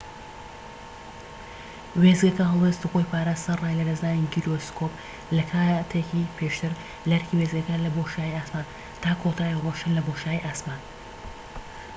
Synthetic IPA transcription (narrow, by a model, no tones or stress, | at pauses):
weːzɡɐkɐɦɐlˠweːst̪uxojpʰaːɾaːst̪ɐraːjlɐd̪ɐznaːniɡiɾoskʰop | lɐkʰaːt̪ʰejkipʰeːʃt̪ʰɨɾ | lɐɾkʰiːwezɡɐkɐlɐboʃaːjiaːsmaːn | t̪ʰaːkʰot̪ʰaːiroʃɨnlɐboʃaːjiʔaːsmaːn